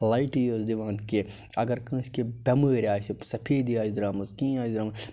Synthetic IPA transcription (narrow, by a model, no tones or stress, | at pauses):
laiʈijoːzd̪iʋaːnke | ɐɡɐɾkɐ̃ːskebʲɐməːɾʲaːsisɐpʰeːd̪ijaːzd̪ɾaːmɐzkĩːaːzd̪ɾaːm